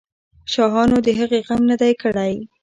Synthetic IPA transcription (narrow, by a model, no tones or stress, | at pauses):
ʃɑɦɑnod̪əɦəɣeɣamnəd̪ajkəɽaj